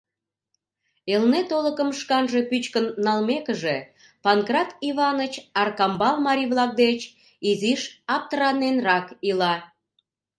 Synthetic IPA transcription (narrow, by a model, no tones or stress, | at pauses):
elnet̪oləkəmʃkɑnʒe̽pyt͡ɕkənːɑlmekə̆ʒe | pɑnkrɑt̪iβɑnət͡ɕɑrkɑmbɑlmɑɾiβlɑk̚d̪et͡ɕ | iziʃɑp̚t̪əɾɑnenrɑkilɑ